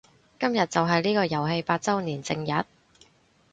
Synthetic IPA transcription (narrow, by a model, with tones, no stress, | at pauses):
kɐ˥mjɐ˨t̚t͡sɐ˨wɦɐ˨jliː˥kɔː˧jɐ˨˩wɦe˧jpaː˧t̚t͡sɐ˥wniː˨˩nt͡sɪ˧ŋjɐ˨˥t̚